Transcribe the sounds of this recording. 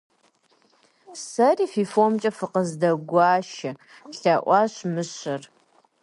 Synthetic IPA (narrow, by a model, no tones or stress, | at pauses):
sɐriːfifomt͡ʃʼɐfɨqəzdɐɡʷɑːʃɐ | ɬaʔʷɑɕmɨɕɐr